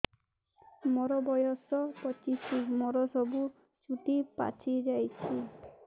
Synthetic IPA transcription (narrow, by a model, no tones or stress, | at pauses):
mɔɾɔbɔjɔsɔpɔt͡ʃismɔɾɔsɔbu | t͡ʃuʈipa̰t͡ʃʰid͡ʒajt͡ʃʰi